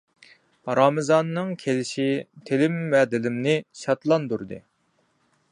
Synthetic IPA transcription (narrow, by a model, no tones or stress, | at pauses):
ɾɑmɨzɑnːɨŋkʲʰelɪʃit̪ʰelɪmːɛd̪ɪlɪmnɪʃɑt̪lˠɑnd̪uɾd̪ɨ̰